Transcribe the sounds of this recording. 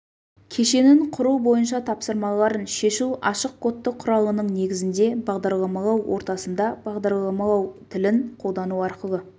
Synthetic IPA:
kʲʰe̞ʃe̞nɪɴqʰʊɾubo̞jənʃ̬ɑt̪ʰɑpsəɾmɑlˠɑɾənʃe̞ʃuʔɑʃəq̚qʰo̞t̪ːəqʰːʊɾɑlˠənəɴne̞ɡʲɪzɪnd̪e̞bɑʁd̪ɑɾlˠɑmɑlˠɑwwʔo̞̰ɾt̪ɑsənd̪ɑb̥ɑʁd̪ɑɾlˠɑmɑlˠɑwt̪ʰɪlɪɴqʰo̞lˠd̪ɑnuɑɾqəlˠə

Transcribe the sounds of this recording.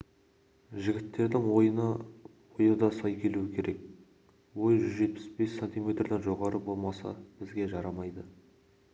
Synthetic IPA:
ʒɪɡʲɪt̪ːe̞ɾd̪ɪŋwo̞jənəwojəd̪ɑsɑjkʲʰe̞luɪkʲʰe̞ɾe̞k̚ | wo̞jʒʏzʒe̞t̪̚pɪ̥sbe̞sːenʲt̪ijme̞t̪rd̪enʒo̞ʁɑɾəbo̞lˠmɑsɑ̰b̥ɪzɡʲe̞ʒɑɾɑmɑjd̪ə

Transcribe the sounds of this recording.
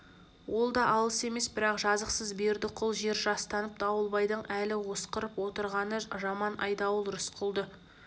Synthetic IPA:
wʔo̞lˠd̪ɑʔɑlˠəse̞me̞sbɪɾɑqʒɑzəqsəzbe̞ɾd̪ɪqʰʊlˠʒe̞ɾʒɑst̪ɑnəp̚t̪ʰɑwəlˠbɑjd̪əɴælɪwo̞sqəɾəpwo̞t̪əɾʁɑnəʒɑmɑnʔɑ̰jd̪ɑwəlˠɾʊsqʰʊlˠd̪ə

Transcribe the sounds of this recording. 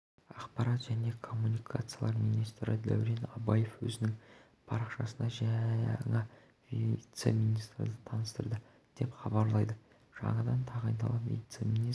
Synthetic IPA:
ɑqpɑɾɑt̪ʒæne̞kʰo̞mːunikʰat̪sɨjalˠɑɾmijnijst̪ɾəd̪æ̰wɾenɑbɑje̞fwɵzɪnɪŋ | pʰɑɾɑqʃɑsənɑʒæŋɑ | vit̪se̞̰mʲijnijst̪ɾəd̪ət̪ʰɑnəst̪əɾd̪ə | d̪̥e̞pχɑbɑɾlˠɑjd̪ə | ʒ̥ɑ̰ɴɑd̪ɑnt̪ʰɑʁɑjnd̪ɑlˠɑpvḭjt̪semʲini

